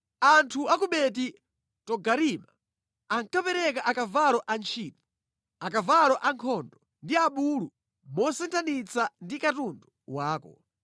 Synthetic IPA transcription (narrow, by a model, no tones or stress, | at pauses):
antʰuak̬uɓɛti | tɔɡaɾima | aŋkapɛɾɛkaʔakavalɔʔant͡ʃʰiːtɔ | akavalɔʔaŋkʰɔndɔ | ndiaɓulu | mɔsɛntʰanit͡sandikatundɔwaːkɔ̰